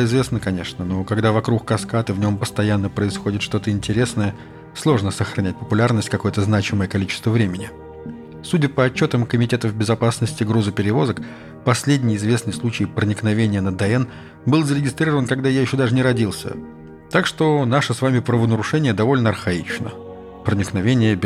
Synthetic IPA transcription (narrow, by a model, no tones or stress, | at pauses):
ɪzvʲe̞snəkɐnʲe̞ʂnənokɐɡd̪avɐkɾukkɐskat̪ɨvnʲo̞mpəst̪ɐjanːəpɾəɪsxo̞dʲɪt̪ʂt̪o̞t̪əɪnʲtʲɪɾʲe̞snəjə | slˠo̞ʐnəsəxɾɐnʲæt̚ʲpəpʊlʲarnəsʲtʲkɐko̞jət̪əznat͡ɕɪməjəkɐlʲit͡ɕɪ̥st̪vəvɾʲemʲɪnʲɪ | sudʲəpəɐt͡ɕːo̞t̪əmkəmʲɪtʲe̞t̪əvbʲɪzɐpasnəsʲtʲɪɡɾuzɨpʲɪɾʲɪvo̞zək | pɐsʲlʲedʲnʲɪjɪzvʲe̞snɨjslˠut͡ɕɪjpɾənʲɪknɐvʲenʲɪjənəd̪ɛɛn | bɨlˠzəɾʲɪɡʲɪst̪ɾʲiɾəvənkɐɡd̪ajajɪɕːod̪aʐɨnʲɪɾɐdʲilˠsʲə̰ | t̪akʂt̪o̞naʂɨsvamʲɪpɾəvənəɾʊʂɛnʲɪjəd̪ɐvo̞lʲnəɐrxɐit͡ɕnə̰ | pɾənʲɪknɐvʲenʲɪjəbʲ